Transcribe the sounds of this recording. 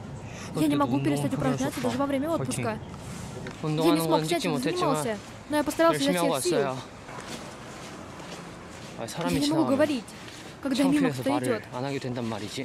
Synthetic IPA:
janʲɪmɐɡupʲɪɾʲɪt̪st̪atʲʊpɾɐznʲat̪səd̪aʐɨvɐvɾʲemʲəo̞t̪pʊskə | janʲɪsmoɛt̪zəɲʲɪmalˠsʲə | nojapəst̪ɐɾɑlˠszʲases | janʲɪmɐɡuɡəvɐɾʲitʲ | kaɡd̪amʲiməkt̪oɪdʲo̞t̪nɡʲt̪nɾ

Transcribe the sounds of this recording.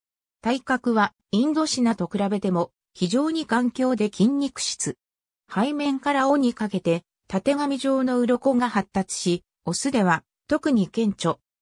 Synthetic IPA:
t̪aikakɯ̟βa | ĩnd̪o̞ɕinat̪o̞kɯ̟ɾabe̞t̪e̞mo̞ | çiʑo̞ːɲ̟ikãŋkʲo̞ːd̪e̞kʲĩɲ̟ʲːikɯ̟̥ɕi̥t͡sɨ | haimẽ̞ŋkaɾao̞ɲ̟ikake̞t̪e̞ | t̪at̪e̞ŋamʲiʑo̞ːno̞ɯ̟ɾo̞ko̞ŋahat̪ːat͡sɨ̥ɕi | o̞sɨd̪e̞β̞a | t̪o̞kɯ̟ɲ̟ikẽ̞ɲ̟t͡ɕo̞

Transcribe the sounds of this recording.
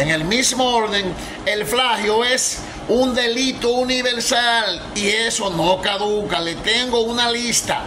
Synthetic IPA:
eŋelmismooɾðeŋ | elflahjoes | und̪e̞lit̪ouniβe̞ɾsal | iesonokaðukale̞t̪e̞ŋɡo̞unalist̪a̰

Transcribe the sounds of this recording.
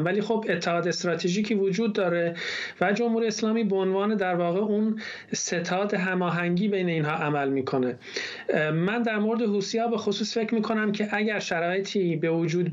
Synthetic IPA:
mvæliːxobe̞t̪ʰːehɒːd̪est̪ɾɒːt̪ʰeʒiːcʰiːvod͡ʒuːd̪̚ːɒːɾe̞væd͡ʒo̞mhuɾijeslɒːmiːboonvɒːne̞d̪æɾvɒːɣeun | se̞t̪ʰɒːd̪e̞ɦæmɒːɦæŋɟiːbe̞jne̞iːnɦɒːʔæmælmiːkʰo̞ne̞ | mænd̪æɾmo̞ɾed̪eɦuːsijɒːbe̞xosuːsfe̞cʰɾmiːkʰo̞næmcʰe̞ʔæɟæɾʃæɾɒːjet̪ʰiːbe̞vod͡ʒuːd̪̚

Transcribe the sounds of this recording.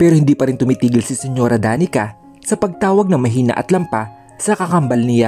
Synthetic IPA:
pɛːɾohɪnd̪iːpɐɾɪnt̪ʊmiːt̪iːɡɪlsɪsɛɲo̞ːɾɐd̪aːnɪka | sɐpɐɡ̚t̪aːwɐɡ̚nɐŋmɐɦiːnɐ̰ʔɐ̰t̪lɐmpa | sɐkɐkɐmbɐlnɪja

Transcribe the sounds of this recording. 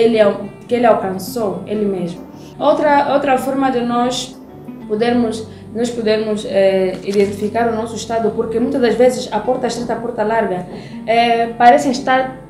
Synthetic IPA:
elɪawkelɪawkɐ̃nsoelɪmeʒmʊ | ot̪ɾɐowt̪ɾɐfɔɾmɐd̪ɪnɔʃ | pod̪eɾmʊs | nɔʃpud̪eɾmʊzɛiðẽnt̪ifikaɾunɔsuiʃt̪aðupuɾkemũj̃t̪ɐd̪ɐzvezɪzɐpɔɾt̪ɐiʃt̪ɾet̪ɐpɔɾt̪ɐlaɾɡɐ | ɛpaɾɛsẽʃt̪aɾ

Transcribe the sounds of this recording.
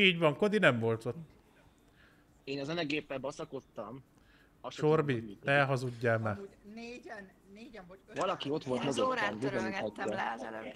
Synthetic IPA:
iːɟʋɒŋko̞d̪inɛmvo̞lt̪o̞t̪ː | eːnɒzɛnɛɡeːpːɛbɒsɒkot̪ːɒm | ʃorbit̪ɛɦɒzuɟːaːma | vɒlɒkio̞t̪ʋo̞lt̪moɡoɾɔnbiɛniat̪ːɛ

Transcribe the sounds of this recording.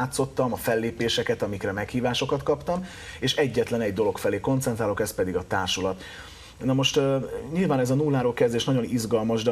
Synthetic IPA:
t̪so̞t̪ːɒmɒfɛlːeːpeːʃɛkɛt̪ɒmikrɛmɛkhiːvaːʃo̞kɒt̪kɒpt̪ɒm | eːʃɛɟːɛt̪lɛnɛɟd̪o̞lo̞kfɛleːko̞nt̪sɛnt̪ɾaːlo̞kɛspɛd̪iɡɒt̪aːrʃulɒt̪ | nɒmo̞ʃt̪ɲilvaːnɛzɒnuːlːaːɾoːlkɛzd̪eːʃnɒɟo̞nizɡɒlmɒʒd̪ɛ

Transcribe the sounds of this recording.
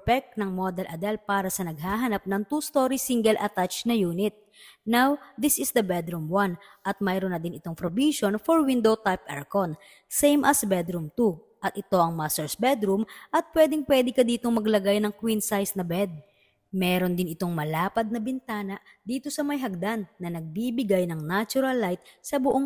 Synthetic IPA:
pɛk̚t̪̚nɐŋmod̪ɛlʔɐd̪ɛlpaːɾɐsɐnɐɡ̚haːɦɐnap̚nɐŋt̪ust̪o̞ːɾisiŋɡɛlʔɐt̪at͡ʃnɐjuːnɪt̪̚ | nawd̪ɪsɪsd̪ɐbɛd̪ɾumwan | ʔɐt̪̚mɛjɾonɐd̪ɪnɪt̪o̞ŋpɾobiʃonfoɹwind̪owt̪ajpʔa̰ɹkon | sejmʔɐsbɛd̪ɾumt̪u | ʔɐt̪ʔɪt̪o̞ʔɐŋmast̪ɛɹsbɛd̪ɾumʔɐt̪̚pwɛːd̪ɪŋpwɛd̪ɛkɐd̪iːt̪oŋmɐɡlɐɡajnɐŋkwinsajsnɐbɛd̪̚ | mɛːɾo̞nd̪ɪnɪt̪o̞ŋmɐlaːpɐd̪̚nɐbɪnt̪aːnɐʔ | d̪iːt̪o̞sɐmɐjɦɐɡ̚d̪anːɐnɐɡ̚bibɪɡajnɐŋnat͡ʃʊɾɐlːajt̪̚sɐbʊʔoŋ

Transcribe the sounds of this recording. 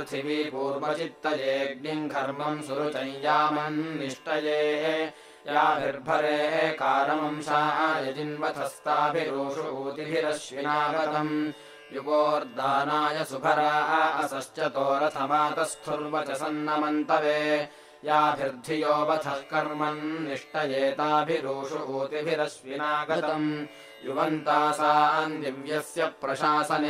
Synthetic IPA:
t̪ʰiʋipuːɾʋɐt͡ʃit̪ːɐd͡ʒeːɡ̚niŋɡʱɐɾmɐmsuɾut͡ʃɐ̃jd͡ʒaːmɐnːiʂʈɐjeːe | jaːbʱiɾb̪ʱɐɾeːekaːɾɐmɐmsaːɦɐjɐd͡ʒinʋɐt̪ʰɐst̪aːbʱiɾuːʂuʔuːt̪ibʱiɾɐʃjinaːɡɐt̪ɐm | juɡoːɾd̪aːnaːjɐsubʰʱɐɾaːɦɐɐsɐʃt͡ʃɐt̪oːɾɐt̪ʰɐmaːt̪ɐst̪ʰuɾʋɐt͡ʃɐsɐnːɐmɐnt̪ɐʋeː | jaːbʱiɾd̪ʱijoːbɐt̪ʰɐhkɐɾmɐnːiʂʈɐjeːt̪aːbʱiɾoːʂuʔoːt̪ibʱiɾɐʃʋinaːɡɐt̪ɐm | juʋɐnt̪aːsaːɐnd̪iʋjɐsjɐpɾɐʃaːsɐn

